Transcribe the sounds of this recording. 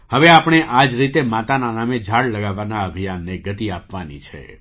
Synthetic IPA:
həʋeapɳ̃eʔad͡ʒɾit̪emat̪ananamed͡ʒʱaɽləɡaʋːanaəbʱijanːeɡət̪iapʋanḭt͡ʃʰḛ

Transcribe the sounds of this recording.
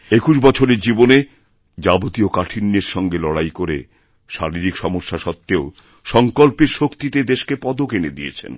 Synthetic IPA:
ekuʃbɔt͡ɕʰoɾeɾd͡ʑibone | d͡ʑabot̪iokaʈʰinːeɾʃɔŋɡelɔɽajkoɾḛ | ʃaɾiɾikʃɔmoʃːaʃɔt̪ːeo | ʃɔŋkolpeɾʃokt̪it̪ed̪eʃkepɔd̪okened̪iet͡ɕʰḛn

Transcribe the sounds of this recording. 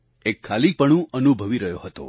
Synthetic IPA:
ekʰːalipəɳ̃ũʔənubʱəʋiɾəɦjoɦət̪o̰

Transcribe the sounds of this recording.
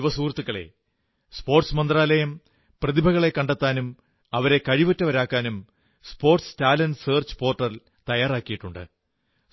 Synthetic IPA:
ʋɐsuːrt̪ːuɣɐɭe̞̰ | spo̞ːrʈsmɐnd̪raːlɐjɐm | prɐðibʱɐɣɐɭe̞kɐɳɖet̪ːaːnum | ɐʋɐɾe̞kɐɻiʋɐtːɐʋɐɾaːkːaːnum | spo̞ːrʈstaːlɐnseːrt͡ɕɨ̥po̞ːrʈːɐl | t̪ɐjaːraːkːijiʈːuɳɖɨ̰

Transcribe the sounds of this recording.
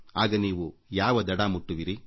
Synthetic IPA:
aːɡɐniːʋujaːʋɐd̪ɐɽaːmuʈːuʋiɾi

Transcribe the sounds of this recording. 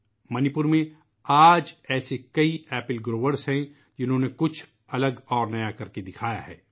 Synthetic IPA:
mɐnɪpʊɾmẽ | aːd͡ʒɛːsekɐiɛːpɪlɡɾoːʋəɾsɦɛ̃ | d͡ʒɪnɦõːnekʊt͡ʃʰ | ɐləɡɔːɾnɐjakɐɾked̪ɪkʰaːja̰ɦɛ̰ː

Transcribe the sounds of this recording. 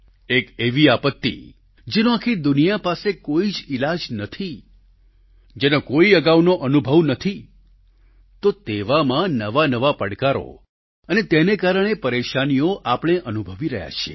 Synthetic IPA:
ekeʋiapət̪ːḭ | d͡ʒenoakʰid̪unijapasekoid͡ʒɪlad͡ʒnət̪ʰi | d͡ʒenokoiəɡaʋnoʔənubʱəʋnət̪ʰi | t̪ot̪eʋamãnəʋanəʋapəɽkaɾo̰ | ənet̪enekaɾəɽ̃epəɾeʃanijoʔapəɳ̃eʔənubʱəʋiɾə̰ɦja̰t͡ʃʰḛ

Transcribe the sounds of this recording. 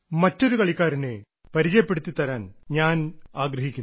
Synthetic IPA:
mɐtːo̞ɾukɐɭikʲːaːɾine | pɐɾit͡ɕɐjɐpːe̞ɽut̪ːit̪ɐɾaːnɲaːnaːɡɾɐɦikʲːun

